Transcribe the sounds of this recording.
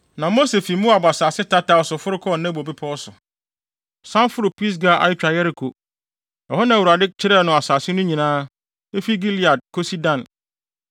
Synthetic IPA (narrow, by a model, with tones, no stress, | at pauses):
nã˨mo˦se˨fi˨˦mũ˦a˨ba˨saː˨sɪ˦tʰa˦ta˨˦ɔ˨sʊ˨fʊ˦ɾʊ˦kʰɔ˦˨nɛ̃˦bo˨bi˦pʰɔ˦sʊ˨ | sã˦nfʊ˦ɾʊ˨pi˦s̬ɡa˨ʔa̰˨jɪ˦t͡ɕᶣa˨jɛ˦ɾi˨kʰo˨ | ɛ˨hɔ˦nã˨wu˨ɾa˨dɪ˦t͡ɕʰɪ˦ɾɛ˦˨nʊ̃˨a˨saː˨sɪ˦nʊ̃˦ɲĩ˨nãː˦ | e˦fi˦ɡi˦li˨a˨d̚kʰo˦si˦dã˨n